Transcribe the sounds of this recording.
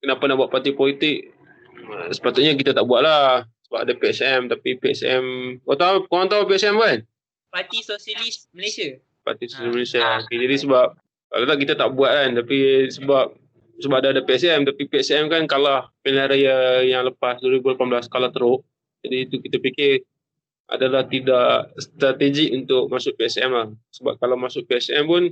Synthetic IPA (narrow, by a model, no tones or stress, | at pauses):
kənapanaʔbuaʔ̪̚pat̪ipolit̪ɪk̚ | sə̥pat̪ʊt̪̚ɲak̬it̪at̪aʔbuaʔ̪̚lasəbap̚adapeɛsɛmt̪apipeɛ̰sɛ̰mot̪akolaŋt̪aapeɛsɛmkan | pat̪isosalisməlesia | pa̰t̪isosliməlesiaoked͡ʒadisəbap̚ | ka̰lat̪aʔk̬it̪at̪aʔbuat̪̚kant̪apisəbap̚ | səbap̚daːdapeɛsɛmt̪apipeɛsɛmkankalahpinlaɾajajaŋləpasduwaɾibulapamblaskalat̪əɾʊʔ | d͡ʒadiːt̪ukit̪apikɪr | ʔa̰dalaht̪idakst̪ɾat̪ed͡ʒiunt̪ʊk̚masʊk̚peɛsɛmlahsəba̰p̚kalamasʊk̚peɛsɛmpʊn